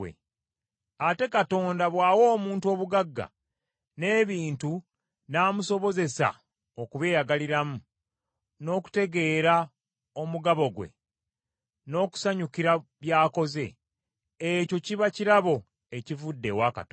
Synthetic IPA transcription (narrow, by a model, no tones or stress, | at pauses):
ḛ | ate̞kato̞ːndaβwaːwo̞ːmuːntuo̞ːβuɡaɡːa̰ | ne̞ːβiːntu | naːmuso̞βo̞ze̞sa̰ | okuβe̞ːjaɡaliɾamu | no̞ːku̥te̞ɡe̞ːɾa | o̞muɡaβo̞ɡwe̞̰ | no̞ːku̥saɲukiɾaβjaːko̞ze̞̰ | eco̞ciβaciɾaβo̞ | e̞civudːe̞waka̰tː